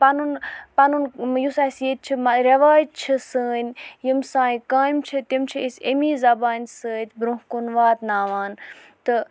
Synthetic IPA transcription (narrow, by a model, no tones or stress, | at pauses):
pɐnunpɐnunjusasiet̪̚t͡ʃʰimɐɾɐʋaːjt̪̚t͡ʃʰɨsəːnʲjimsãːĩkaːimt͡ʃʰɨt̪imt͡ʃʰiisemiːzɐbaːnʲsəːt̪ʲbɾũɦkunʋaːt̪naːʋaːn | t̪ɨ